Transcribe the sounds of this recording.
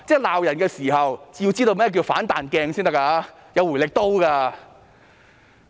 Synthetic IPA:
t͡sɛː˥˩laː˨wjɐ˨˩nkɛː˧siː˨˩ɦɐ˨wt͡sji˧wt͡siː˥t̪o˧wmɛː˥˩k̬i˧o˨˧faː˨˥nt̪aː˨nkɛː˧ŋsiː˥nt̪ɐ˥kːaː˧˥ | jɐ˨˧wu˨˩lɪ˨k̚t̪o˥wkaː˧

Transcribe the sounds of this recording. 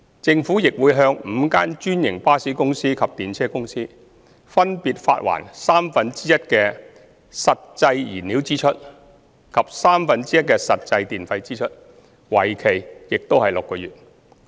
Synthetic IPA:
t͡sɪ˧ŋfuː˨˥jɪ˨k̚wuː˨˧jɦœː˧ŋm̩˨˧kaː˥nt͡ʃyː˥njɪ˨˩ŋpaː˥siː˨˥kʊ˥ŋsiː˥kʰɐ˨p̚t̪iː˨nt͡sʰɛː˥kʊ˥ŋsiː˥ | fɐ˥npiː˧t̚fa̰ː˧t̚wa̰ː˨˩nsaː˥mfɐ˧nt͡siː˥jɐ˥t̚kɛː˧ | sɐ˨t̚t͡sɐ˧jjiː˨˩nli˨˥wt͡siː˥t͡ʃʰɵ˥t̚ | kʰɐ˨p̚saː˥mfɐ˧nt͡siː˥jɐ˥t̚kɛː˧sɐ˨t̚t͡sɐ˧jt̪iː˨nfɐ˧jt͡siː˥t͡ʃʰɵ˥t̚ | wɐ˨˩jkʰe˨˩jjɪ˨k̚t̪o˥whɐ˨jlʊ˨kːɔː˧jyː˨t̚

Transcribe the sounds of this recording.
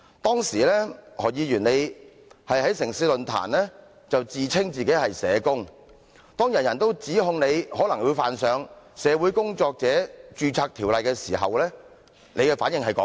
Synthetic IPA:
t̪ɔː˥ŋsiː˨˩lɛː˥hɔː˨˩jiː˨˧ɥyː˨˩ne˨˧j | hɐ˨jhɐ˨˥jsɪ˨˩ŋsiː˧lɵ˨nt̪ʰa̰ː˨˩nlɛː˥ | t͡sɐ˨wt͡siː˨t͡sʰɪ˥ŋt͡siː˨˩ke˨˥jhɐ˨jsɛː˨˧kʊ˥ŋ | t̪ɔː˥ŋjɐ˨˩njɐ˨˩nt̪o˥wt͡siː˨˥ɦʊ˧ŋne˨˧jhɔː˨˥lɐ˨˩ŋwu˨˧jfaː˨nsœː˨˧ŋsɛː˨˧wuː˨˥jkʊ˥ŋt͡sɔː˧k̚t͡sɛː˨˥t͡ʃyː˧t͡sʰaː˧k̚t̪ʰiː˨˩wlɐ˨jkɛː˧siː˨˩ɦɐ̰˨wlɛː˥ | ne˨˧jkɛː˧faː˨˥njɪ˨ŋhɐ˨jkɔː˨˥

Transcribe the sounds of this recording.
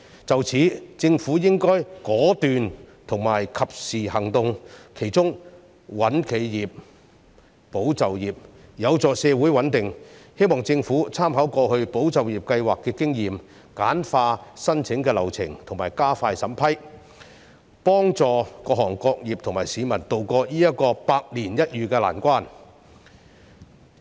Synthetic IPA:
t͡sɐ˨wt͡sʰiː˨˥t͡sɪ˧ŋfuː˨˥jɪ˥ŋkɔː˥jkɔː˨˥t̪yː˨nt̪ʰʊ˨˩ŋmaː˨˩jkʰɐ˨p̚siː˨hɐ˨˩ŋt̪ʊ˧ŋkʰe˨˩jt͡sʊ˥ŋ | wɐ˨˥nkʰe˨˧jjiː˨p̚ | o˨˥wt͡sɐ˨wjiː˨p̚jɐ˨˧wt͡sɔː˨˧sɛː˨˧wuː˨˥jwɐ˨˥nt̪ɪ˨ŋhe˥jmɔː˨˩ŋt͡sɪ˧ŋfuː˨˥t͡sʰaː˥mɦɐ˨˥wkɔː˧hɵ˧ɥpo˨˥wt͡sɐ˨wjiː˨p̚kɐ˧jwaː˨kːɛː˧kɪ˥ŋjiː˨m | kaː˨˥nfaː˧sɐ˥nt͡sʰɪ˨˥ŋkɛː˧lɐ˨˩wt͡sʰɪ˨˩ŋt̪ʰʊ˨˩ŋmaː˨˩jkaː˥faː˧jsɐ˨˥mpʰɐ˥j | pɔː˥ŋt͡sɔː˧kɔː˧hɔː˨˩ŋkɔː˧k̚jiː˨p̚t̪ʰʊ˨ŋmaː˨˩jsiː˨˧mɐ˨˩nt̪o˨wkɔː˧jiː˥jɐ˥t̚kːɔː˧paː˧k̚liː˨˩njɐ˥t̚jyː˨˧kɛː˧la̰ː˨˩nkʷaː˥n

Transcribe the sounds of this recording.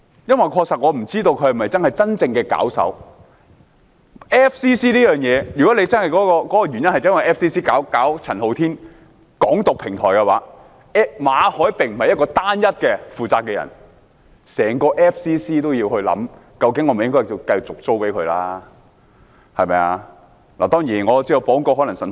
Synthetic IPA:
jɐ˥nwɐ˨jkʰɔː˧k̚sɐ˨t̚ŋɔː˨˧m̩˨˩t͡siː˥t̪o˧wkʰɵ˨˧hm˨˩mɐ˨jt͡sɐ˥nhɐ˨˩jt͡sɐ˥nt͡sɪ˧ŋkɛː˧ka̰ː˨˥wsɐ̰˨˥w | ʔɛː˥fsiː˥siː˥liː˥jœː˨˩ŋjɛː˨˧jy˨kɔ˨˥le˧jt͡sɐ˥nhɐ˨jkɔː˨˥kɔː˧kɔː˨˥kɔː˧jɥyː˨˩njɐ˥nhjɐ˥nwɐ˨jʔɛː˥fsiː˥siː˥kaː˨˥wkaː˨˥wt͡sʰɐ˨˩nho˨˧wt̪ʰiː˥n | kɔː˨˥ŋt̪ʊ˨k̚pʰɪ˨˩ŋt̪ʰɔ̰ː˨˩jkɛ˧wa̰ː˨˥ | ɛ˥maː˨˧hɔː˨˥jpɪ˨ŋm̩˨˩hɐ˨jɐ˥t̚kɔː˧t̪aː˥njɐ˥t̚kɛː˧fuː˨˩t͡saː˧kːɛː˧jɐ̰˨˩n | sɛː˨˩ŋkɔː˧ʔɛː˥fsiː˥siː˥t̪o˥wjiː˧whɵ˧ɥlɐ̰˨˥mkɐ˧wkɪ˨˥ŋɔː˨˧me˨˩jɪ˥ŋkɔː˥ji˧wkɐ˧jt͡sʊ˨k̚t͡so˥wpe˨˥jkʰɵ˨˧ɥlaː˥ | hɐ˨jmɐ˨˧jaː˧ | laː˨˩t̪ɔː˥ŋjiː˨˩nŋɔː˨˧t͡si˥ɐ˧wfɔː˨˥ŋkɔː˧ɦɔ˨˥lɐ˨˩ŋsɐ˨˩n

